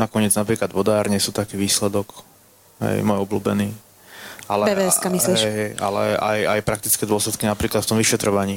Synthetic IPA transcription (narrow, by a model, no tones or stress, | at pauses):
nakɔɲɪɛd͡znapɾiːklad̪ʋɔd̪aːɾɲɛsuːt̪akiːʋiːslɛd̪ɔk | ɦɛ̰jmɔjɔbluːbɛniː | alɛbɛɛɛskaːmisliɦʃɛɦɛja̰lɛ̰a̰ja̰jpɾak̚t̪i̥t͡skɛd̪ʊɔslɛt̪kinapɾiːklat̪ft̪ɔmʋiʃɛt̪ɾɔʋaɲiː